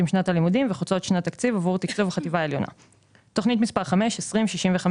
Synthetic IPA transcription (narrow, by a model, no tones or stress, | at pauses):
imʃnatalimudimveχut͡so̞t̪ʃnat̪akt͡sivavuʁt̪ikt͡suvχativaeljo̞na̰ | t̪o̞χnit̬mispaʁχame̞ʃesʁimʃiʃimveχam